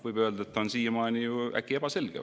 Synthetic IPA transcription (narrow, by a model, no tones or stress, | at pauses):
vɨjbø̞ːld̪ɑet̪ːɑonsiːjmɑːnijuæ̰kːie̞b̥ɑse̞lɡ̥ḛ